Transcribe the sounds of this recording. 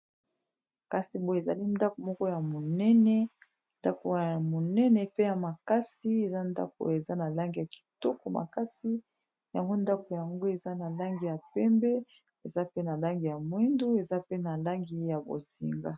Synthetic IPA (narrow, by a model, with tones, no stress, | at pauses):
ka˨si˨bo˦˨e˨za̰˨li˦nda˦ko˨mɔ˦kɔ˦ja˨mo˨nɛ˦nɛ˦ | nda˦ko˨mo˨nɛ˦nɛ˨pe˦ja˨ma˨ka˦si˦e˨za˦nda̰˦k̚o̰˨e˨za˦na˨la˦ŋɡi˨ja˨ki̥˨tɔ˦ko˨ma̰˨ka˦si˦ | ja˨ŋɡo˦nda˦ko˨ja˨ŋɡo˦e˨za˦na˨la˦ŋɡi˨ja˨pɛ˦mbɛ˦ | e˨za˦pe˦na˨la˦ŋɡi˨ja˨mwi˦ndu˦e˨za˦pe˦na˨la˦ŋɡi˦ja˨bo̰˨zḭ˨ŋɡa˦